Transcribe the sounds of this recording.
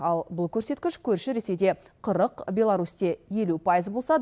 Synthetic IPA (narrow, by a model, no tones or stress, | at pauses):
ɑlˠbʊlˠkʲʰɵɾse̞t̪kʲɪʃkʲʰɵɾʃɪɾe̞se̞jd̪e̞qʰəɾəqbʲe̞lˠaɾust̪e̞je̞lupʰɑjəzbo̞lˠsɑd̪